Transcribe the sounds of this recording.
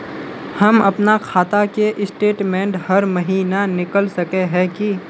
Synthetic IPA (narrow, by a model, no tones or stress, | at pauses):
hɐmɐpnakʰaːt̪akeʔɪsʈeːʈmɛ̃ːɳʈhɐɾmɐɦiːnanɪkəlsɐkeɦɛ̃ki